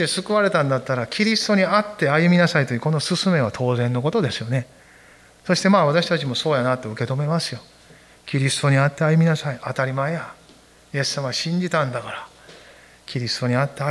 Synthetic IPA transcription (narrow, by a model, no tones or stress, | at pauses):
esɨkɯ̟βaɾe̞t̪ãnd̪at̪ːaɾakʲiɾʲist̪o̞ɲ̟iat̪ːe̞ajɯ̟mʲinasait̪ojɯko̞no̞sɨsɨme̞β̞at̪ʰo̞ːzẽ̞nːo̞ko̞t̪o̞d̪e̞sɨjo̞ne̞ | so̞ɕi̥t̪e̞maːβat̪aɕi̥t̪at͡ɕimo̞so̞ːjanat̪ːe̞ɯ̟ke̞t̪o̞me̞masɨjo̞ | kʲiɾʲisɨ̥t̪o̞ɲ̟iat̪ːe̞ajɯ̟mʲinasaiat̪aɾʲimaeja | je̞sːamaɕĩɲ̟d͡ʑit̪ãnd̪akaɾa | kʲiɾʲisɨ̥t̪o̞ɲ̟iat̪ːe̞a